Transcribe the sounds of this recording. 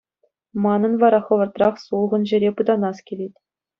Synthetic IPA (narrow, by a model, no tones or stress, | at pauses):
mɑnɤ̆nʋɑɾɑχɤ̆ʋɤ̆rt̪rɑχsulˠʁɤ̆nʑɘ̆ɾʲepɯd̪ɑnɑskʲelʲetʲ